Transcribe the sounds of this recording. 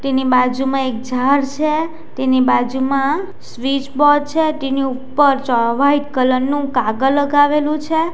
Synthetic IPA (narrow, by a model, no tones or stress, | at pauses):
t̪enibad͡ʒumãek̚d͡ʒaɾt͡ʃʰe | t̪enibad͡ʒumã | sʋit͡ʃbɔd̚t͡ʃʰet̪eniupːəɾt͡ʃɔʋaiʈkələnnːũkaɡəlːəɡaʋelũt͡ʃʰe